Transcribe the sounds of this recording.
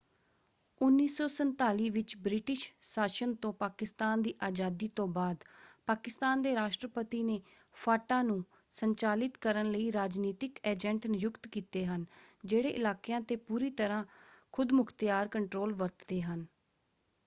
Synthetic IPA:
ʊnːiːsɔːsənt̪aːliːʋɪt͡ʃbɾɪʈɪʃsaːʃənt̪õːpaːkɪst̪aːnd̪iːʔaːd͡ʒaːd̪iːt̪õːbaːd̪paːkɪst̪aːnd̪eːɾaːʃʈɾəpət̪iːneː | pʰaːʈãːnũː | səɲt͡ʃaːlɪt̪kəɾənləiːɾaːd͡ʒniːt̪ɪkɛːd͡ʒɛ̃ɳʈnɪjʊkt̪kiːt̪eːɦənd͡ʒeːɽeːʔɪlaːkjãːt̪eːpuːɾiːt̪əɾãːkʰʊd̪mʊkʰt̪jaːɾkəɳʈɾoːlʋəɾt̪d̪eːɦən

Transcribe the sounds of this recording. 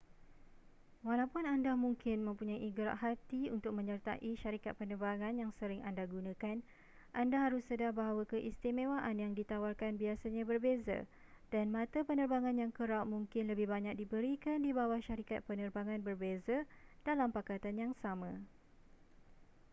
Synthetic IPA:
walawpʊnandamuŋkɪnmə̃mpuɲajʔiɡɾa̰ʔɦat̪iunt̪ʊk̚mə̃ɲərt̪a̰ʔiʃaɾikat̪̚pənərbaŋãnjaŋsəɾɪŋandaɡunãkan | ʔandaɦaɾʊsːədahbaɦawakəʔist̪imẽwaʔanjaŋdit̪awarkanbiasaɲãbərbeza̰ | d̥anmãt̪apənərbaŋãnjaŋkəɾap̚muŋkɪnləbɪhbaɲak̚dibəɾikandibawahʃaɾikat̪̚pənərbaŋãnbərbezad̥alampakat̪anjaŋsamã

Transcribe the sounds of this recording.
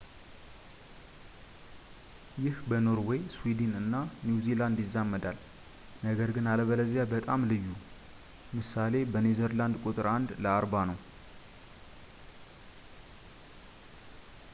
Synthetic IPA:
jɪhbəno̞ɾwɔjswid̪inɨnːanjuziland̪jɪzːamːəd̪al | nəɡəɾɡɨnaləβələzjabət̪ʼamlɨjːu | mɨsale̞bənezəɾland̪kʼut̪ʼɨɾand̪ləaɾbanəw

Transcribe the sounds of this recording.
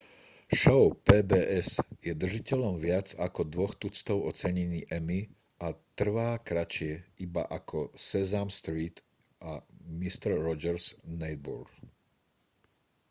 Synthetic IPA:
ʃɔʊpɛːbɛːʔɛsjɛd̪r̩ʒicɛʎɔmʋɪad͡zakɔd̪ʋɔxt̪ut͡st̪ɔʊɔt͡sɛɲɛniːʔɛmi | ʔat̪r̩ʋaːkɾat͡ʃɪɛiba̰ʔakʰɔsɛzamst̪ɾiːt̪ | ʔamist̪ɛɾːɔd͡ʒɛɾznɛd̪̚bɔ̰ɾɡ

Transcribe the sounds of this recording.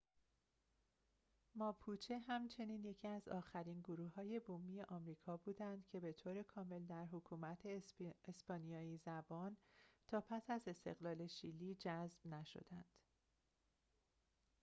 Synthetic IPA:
mɒːpʰuːt͡ʃʰeɦæmt͡ʃʰe̞niːnje̞cʰiæzɒ̰ːxæɾiːnɡoɾuːhhɒːje̞boːmije̞ʔɒːmɾiːkʰɒːbuːd̪ænd̪̥cʰe̞be̞t̪ʰoːɾe̞kʰɒːme̞ld̪æɾɦokʰuːmæt̪ʰeesbɒːnijɒːizæbɒːnt̪ʰɒːpʰæsæze̞st̪e̞̰ɣlɒːle̞ʃilːiːd͡ʒæzb̥næʃo̰d̪ænd̪̥

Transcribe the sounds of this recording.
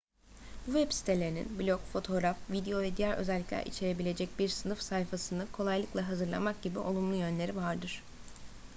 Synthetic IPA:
buvɛpsi̥t̪ʰelʲeɾinḭnblʲokfo̞t̪ʰo̞ɾafvid̪ejo̞vɛd̪ijæɾʔø̞̰zɛlʲːiclʲæ̰ɾʔḭt͡ʃʰe̞ɾe̞bilʲe̞d͡ʒɛc̚biɾsɯnɯfsajfasɯnɯkʰo̞lˠajlˠɯklˠaɦazɯɾlˠa̰mak̚ɟ̥ibiʔo̞̰lˠumlˠujø̞nlʲe̞ɾivaɾd̪ɯɾ̥

